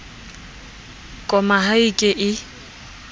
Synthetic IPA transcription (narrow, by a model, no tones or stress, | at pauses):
kʼɔmaɦaikʼɪʔɪ